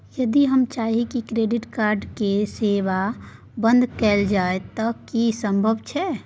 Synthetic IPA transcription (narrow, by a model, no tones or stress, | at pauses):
jəd̪iɦəmt͡ʃaɦikikɾeɖɪʈkaɾɖkeseʋa | bə̃nd̪kɛld͡ʒaet̪ɔkisə̃mbʱəbt͡ʃʰɛ